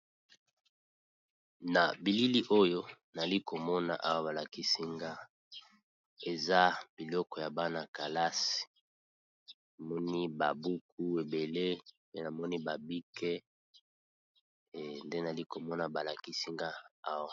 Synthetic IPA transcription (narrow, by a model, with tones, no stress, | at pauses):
na˨bi˨li˦li˦ʔo˦jo˦ | na˨li˦ko˨mɔ˦na̰˨ʔa˦wa˦βa˨la˨ki˦si˦ŋɡa˦ | e˨za˦b̥i˨lɔ˦kɔ˨ja˨ba˦na˨ka˨la˦si̥˨ | na˨mɔ˦ni˦ba˨bu˦k̚u˦e˨be˨le˦pe˦na˨mɔ˦ni˦ba˨bi˦kʰe˦ | nde˦na˨li˦ko˨mɔ˦na˨ba˨la˨ki˦si˦ŋɡa˦a˦wa˨